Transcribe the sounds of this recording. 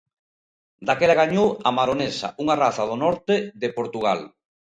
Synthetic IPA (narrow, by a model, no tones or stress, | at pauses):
d̪akelaɣaɲowamaɾonesa̰uŋaraθað̞onɔɾt̪eðepoɾt̪uɣ̞al